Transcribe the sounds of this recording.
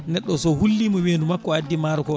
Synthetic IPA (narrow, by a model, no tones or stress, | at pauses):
nɛɗːɔsɔhulːimɔmeːndumakːɔadːimaɾɔkɔ